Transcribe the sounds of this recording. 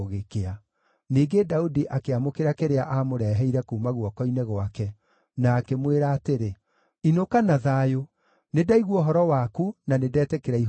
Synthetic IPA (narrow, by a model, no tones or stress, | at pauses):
ɣekea | niːɡedaudiʔakeamokeɾakeɾeaʔamoɾɛːɦɛiɾɛkuːmaɣwɔkɔineɣwakɛ | naːkemweɾaːteɾe | inokanaðajo | nedaiɣwɔɦɔɾɔwakunanedɛːtɛkeɾai